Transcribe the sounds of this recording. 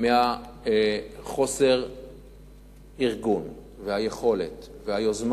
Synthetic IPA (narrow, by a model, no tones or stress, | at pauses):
meha | χo̞se̞ʁ | iʁɡun | veajeχo̞le̞̰t̪ | veajozm